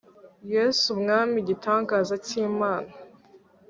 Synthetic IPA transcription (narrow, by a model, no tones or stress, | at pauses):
jesubŋaːmiɟitʰaːŋɡaːzaciːmaːna